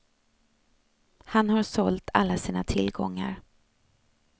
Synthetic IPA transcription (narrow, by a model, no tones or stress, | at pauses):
hanhaɾsɔlt̪ʰa̰lːasiːnat̪ʰɪlɡɔŋːa̰ɾ